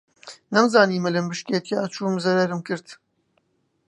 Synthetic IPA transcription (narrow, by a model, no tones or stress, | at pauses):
nɐmzaːniːmɨlɨmbɨʃket̪ʰiaːt͡ʃʰuːmzɐɾɐɾɨmkɨɾt̪